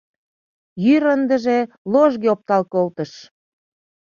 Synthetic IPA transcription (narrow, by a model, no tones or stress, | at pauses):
jyɾənd̪ə̆ʒe | loʒɣeop̚t̪ɑlkolt̪əʃ